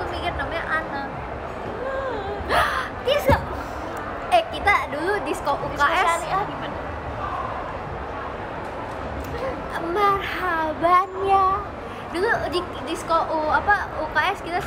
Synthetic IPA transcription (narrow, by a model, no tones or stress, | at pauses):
ubikɪrnamaɲaʔanak̚ | k̪isa | ɛkit̪aduludiskɔʔukaɛjaɡimana | marhabanja | duludi | diskoʔuapaukaʔɛskit̪a